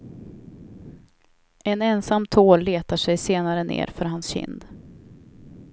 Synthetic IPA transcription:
ɛnɛnsamːt̪ʰoːllːeːt̪aʂɛjseːnaɾənḛːɾfœɾɦansɕɪ̰nd̪

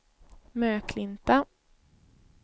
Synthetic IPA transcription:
møːkʰlɪnt̪a

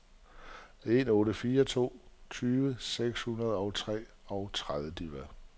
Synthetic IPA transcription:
e̝nɔ̽ːɾəfiːɐt͡sʰo̝̰ːt͡sʰyːʋəseɡ̥shunɐð̞ˠɒ̽ʊt͡sʰʁɛ̰ː | ɒ̽ʊt͡sʰʁaðˠʋəd̥iʋæ

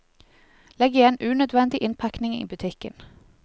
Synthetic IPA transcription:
lɛɡɪeːnʔʉːnœd̪ʋɛnd̪ɪʔɪnpʰæknɪŋḭːbʉt̪ʰɪkə̰n

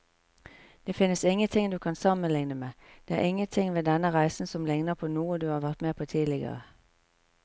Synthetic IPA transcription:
d̪̥eːfɪnəsɪŋənt̪ʰɪŋd̪ʉːkʰɑnsɑmənlɪŋnəmeːd̪̥eːæ̰ːʁʔɪŋənt̪ʰɪŋʋeːd̪ɛnəʁæɪsn̩sɔmlɪŋnəpʰoːnuːəd̪ʉːhɑːʋæʁt̪meːpʰoːt̪ʰiːlɪɡə̰ʁə̰

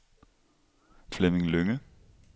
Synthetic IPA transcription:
flemɪŋløŋə

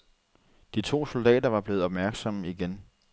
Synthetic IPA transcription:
d̥it͡sʰo̝̰ːso̝ld̥ɛ̰ːdɐʋɑ̈b̥le̝ːð̩ˠɒ̽b̥mæɐɡ̥sɒ̽məiɡ̥en

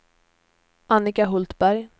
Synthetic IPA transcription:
ʔanɪkaɦʊlt̪bæɾj

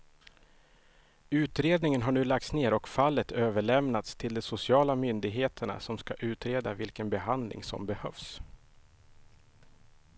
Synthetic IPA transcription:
ʉ̟ːt̪ɾeːd̪nɪŋənɦaɳʉ̟ːlak̚t̪sneːɾɔkfalːət̪ʰøːvəɭɛmnat̪st̪ʰɪld̪ɛsʊsɪɑːlamʏnd̪ɪɡɦeːt̪ʰəɳa̰sɔmskaʔʉ̟ːt̪ɾeːd̪avɪlkənbɛɦand̪lʔɪ̰ŋsɔ̰mbɛhœ̰fs

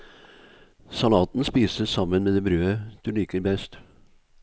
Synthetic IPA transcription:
sɑlɑːt̪n̩spiːsəsɑmənmeːd̪eːbɾøːəd̪̥ʉliːkəɾbɛst̪

